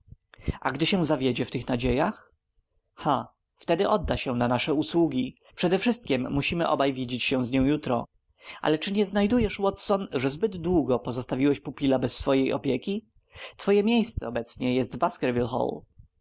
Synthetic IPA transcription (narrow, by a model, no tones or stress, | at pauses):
ʔaɡd̪ɘɕɛ̃zavʲjed͡ʑɛft̪ɘxnad͡ʑejax | xa | ft̪ɛd̪ɘʔɔd̪ːaɕɛnanaʂɛuswuɡʲi | pʂɛd̪ɛfʂɘst̪̚kʲɛmːuɕimɘʔɔ̰bajvʲjed͡ʑet͡ɕɕɛ̃w̃zɲɔ̃w̃jut̪ɾɔ | ʔa̰lɛt͡ʂɘɲɛznajd̪ujɛʂwɔt̪sɔnʐɛzbɘd̪ːwuɡɔpɔzɔst̪avʲiwɛɕpupʲilabɛsːfɔjejʔɔ̰pʲjekʲi | t̪fɔjɛmʲjejst̪sɛ̰ɔbɛt̪sɲɛjɛst̪baskɛɾvʲilxɔ̰l